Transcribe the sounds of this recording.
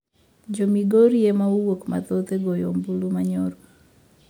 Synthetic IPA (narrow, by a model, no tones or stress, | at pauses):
d͡ʒomiɡoɾiemauwokma̰t̪ot̪eɡojombulumaɲɔɾɔ